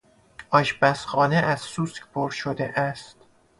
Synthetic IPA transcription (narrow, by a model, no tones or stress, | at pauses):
ʔɒːʃbæsxɒːneʔæzsuskpʰoɾʃod̪eʔæst̪